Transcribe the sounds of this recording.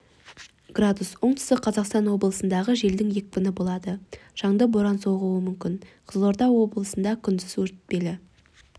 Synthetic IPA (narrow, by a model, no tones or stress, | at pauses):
ɡ̥rad̪uswo̞ɴt̪ɪ̥st̪əqʰːɑzɑqst̪ɑnwo̞blˠəsənd̪ɑʁəʒe̞ld̪ɪŋje̞k̚pɪnɪbo̞lˠɑd̪əʒ̥ɑɴd̪əbo̞ɾɑnso̞ʁuwəmʏmkʲɪnqʰəzlˠoɾd̪ɑwo̞blˠəsənd̪ɑkʲʰʏnd̪ɪswɵɾt̪t̪̚pe̞lɪ